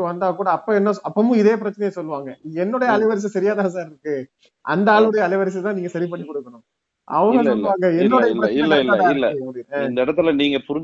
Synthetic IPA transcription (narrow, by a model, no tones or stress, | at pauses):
ʋɐnd̪aːkːuːɽɐːpːɐɛnːɐɐpːɐmʊ̃ɪðeːp̬ɪɾɐt͡ʃːɐnɐjɐsɔlːɯʋaːŋɡɐɛnːɔɽɐjɐːlɐɪʋɐɾɪs̬ɐsɐɾɪjaːðãːs̬aːɾɪɾɯkːɯ | ʔɐ̰nd̪ɐaːɭʊɽɐjɐːlɐɪʋɐɾɪs̬ɐt̪ãːniːŋɡɐsɐɾip̬ɐɳːikɔɽɯkːɐɳʊ̃m | ɐ̰ʋɐŋɡɐsɔlːʋaːŋɡɐɛnːɔɽɐjɐpɾɐɪlːɐɪlːaɪlːɐkːɐmʊɽɪnɐɪnd̪ɐɪɽɐt̪ːɪlniːŋɡɐpʊɾɪ